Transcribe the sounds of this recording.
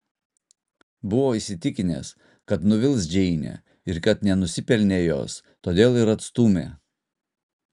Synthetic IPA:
bʊʋoːisʲɪt̪ʲɪkʲɪnʲḛːs | kɐt̪nʊʋʲɪlˠsd͡ʒʲɛɪnʲḛː | ɪɾkɐt̪nʲɛnʊsʲɪpʲɛlʲnʲeːjo̰ːs | t̪oːd̪ʲeːlˠɪɾɐt̪st̪uːmʲḛː

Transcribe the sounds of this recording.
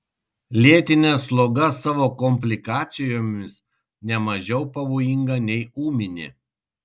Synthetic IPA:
lʲiɛt̪ʲɪnʲɛslˠoːɡɐsɑːʋoːkɔmʲpʲlʲɪkɑːt̪sʲɪjoːmʲɪs | nʲɛmɐʒʲɛʊpɐʋoːjɪŋɡɐnʲɛɪuːmʲɪnʲɪ̰

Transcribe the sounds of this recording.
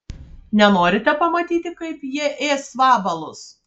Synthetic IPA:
nʲɛnoːɾʲɪt̪ʲɛpɐmɐt̪ʲiːt̪ʲɪkɐɪpjiɛʔeːsʋɑːbɐlˠʊs

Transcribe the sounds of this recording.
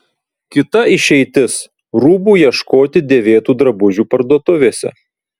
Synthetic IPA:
kʲɪt̪ɐɪʃʲɛɪt̪ʲɪs | ɾuːbuːjiɛʃkoːt̪ʲɪd̪ʲeːʋʲeːt̪uːd̪ɾɐbʊʒʲuːpɐɾd̪uɔt̪ʊʋʲeːsʲɛ̰

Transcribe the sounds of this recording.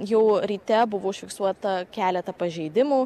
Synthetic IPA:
jɛʊɾʲiːt̪ʲɛbʊʋoːɪʃʲfʲɪksuɔt̪ɐkʲæːlʲɛt̪ɐpɐʒʲɛɪd̪ʲɪmuː

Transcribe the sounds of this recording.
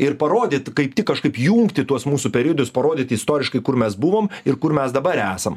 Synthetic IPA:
ɪɾpɐɾoːd̪ʲeːt̪kɐɪpt̪ʲɪkkɐʃkɐɪpjuːŋkt̪ʲɪt̪uɔsmuːsʊpʲɛɾʲiɔd̪ʲʊspɐɾoːd̪ʲɪːt̪ɪst̪oːɾʲɪʃkɐɪkʊɾmʲɛsbʊʋoːmɪrkʊrmʲɛsd̪ɐbɐɾæːsɐm

